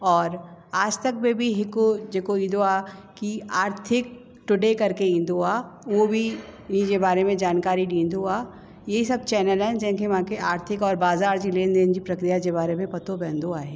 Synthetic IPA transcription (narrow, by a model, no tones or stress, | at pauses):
ɔːɾaːd͡ʒt̪ɐk̚bẽbʱiɦɪkod͡ʒeːkoĩd̪oa | kiaːɾt̪ʰɪk̚ | ʈʊɖekɐɾkeɪ̃nd̪ʱoaːʋobʱiĩd͡ʒebaːɾemẽd͡ʒaːnkaːɾiɖĩːnd̪oa | jeɦisɐb̚t͡ʃɛːnəlɛ̃nd͡ʒɛ̃ɦkeʋãkeaːɾt̪ʰɪkɔːɾbaːzaːɾd͡ʒileːnd̪eːnd͡ʒipɾɐkɾijad͡ʒeβaːɾemẽpɐt̪obɛ̃ːnd̪oaːɦeː